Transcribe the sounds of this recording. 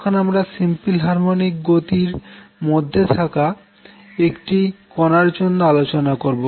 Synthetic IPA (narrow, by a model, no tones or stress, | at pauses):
kʰonamɾasimpilɦaɾmonik̚ɡot̪iɾmod̪ʱːet̪ʰaka | ekʈikɔnaɾd͡ʑonːoalot͡ɕonakoɾbo